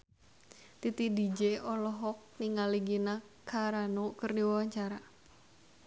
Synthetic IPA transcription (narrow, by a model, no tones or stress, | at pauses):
t̪it̪idid͡ʒeɔlɔɦɔk̚niŋaliɡina | kʰaɾanokərdiwawaɲt͡ʃaɾa